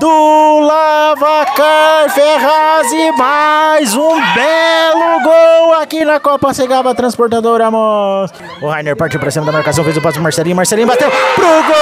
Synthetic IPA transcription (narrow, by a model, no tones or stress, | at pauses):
d̪ʊla | vakaɾfeɦazɪmajzũbɛlʊɡowakinɐkɔpɐseɡavɐt̪ɾɐ̃spoɾt̪ad̪oɾɐmɔs | ʊhajneɾpaɾt͡ʃiwpɾɐsĩmɐd̪ɐmaɾkasɐ̃w̃fejzʊpɔst̪ɾmaɾsɛlĩɲʊmaɾsɛlĩbat̪ewpɾʊɡo